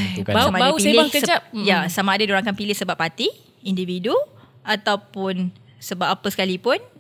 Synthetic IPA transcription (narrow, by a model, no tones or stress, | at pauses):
kbaamaaaupiselɪaŋkəd͡ʒap̚jasamãːdaduɾaŋkanpilɪhsəbapːat̪i | individu | at̪awpʊn | səbap̚apəsə̥kalipʊn